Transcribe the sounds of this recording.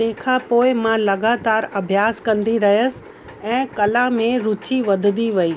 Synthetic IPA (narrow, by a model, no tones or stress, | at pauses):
t̪ẽːkʰapoːɪmãlɐɡaːt̪aːɾɐbʱjaːskɐ̃nd̪iɾɐɦijəs̆ | ɛ̃ːkɐlamẽɾʊt͡ɕiʋɐd̪ʱd̪iʋɐiː